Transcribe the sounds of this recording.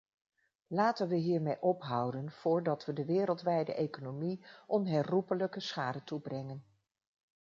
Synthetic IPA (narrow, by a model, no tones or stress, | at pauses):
laːtənʋəɦiːɹmejʔɔpɦʌwdənv̥ʊːɹdɑtʋədəʋɪːɾəlˠtʋɛjdə̰ʔejkonomiʔɔnɦɛrupələkəsχaːdətubrɛŋən